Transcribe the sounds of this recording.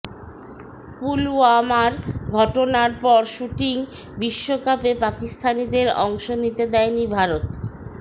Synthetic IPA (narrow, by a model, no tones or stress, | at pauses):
puluamaɾɡʱɔʈonaɾpɔɾʃuʈiŋ | biʃːokapepakist̪ʰanid̪eɾɔ̰ŋʃonit̪ed̪ɛenibʱaɾot̪